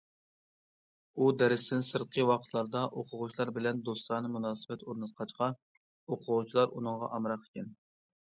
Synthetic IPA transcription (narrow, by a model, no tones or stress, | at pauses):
ud̪ɛɾɪst̪ɪnsɨɾqʰəwɑqʰət̪ʰlˠɑɾd̪ɑʔoqʰʊʁʊt͡ʃʰlˠɑɾbɪlɛnd̪ost̪lˠɑɾnɨmunɑːsɨbɛt̪oɾnɨt̪̚qʰɑt͡ʃqʰɑ | oqʰʊʁʊt͡ʃʰilˠɑɾunɨŋʁɑ̰ʔɑmɾɑqʰːkʲɛn